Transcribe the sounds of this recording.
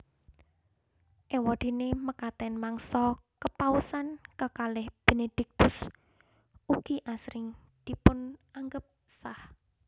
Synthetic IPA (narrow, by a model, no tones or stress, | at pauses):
ʔewɔd̪̥e̤neməkat̪ɛnmaŋsɔkəpausankəkalɪhb̥e̤ned̪̥ɪk̚t̪ʊs | uɡ̥iʔasɾɪŋ | d̪̥i̤pʊnaŋɡəp̚sah